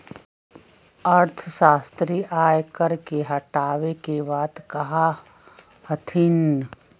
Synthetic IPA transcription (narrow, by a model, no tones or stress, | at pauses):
ɐɾt̪ʰəʃaːst̪ɾiːʔaːjkəɾkeɦɐʈaːʋekebaːd̪kɐɦa | hɐt̪ʰin